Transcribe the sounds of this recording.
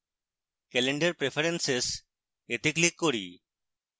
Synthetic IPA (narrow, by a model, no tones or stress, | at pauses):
kɛleɳɖəɾpɾepʰeɾenses | et̪iklikːoɾḭː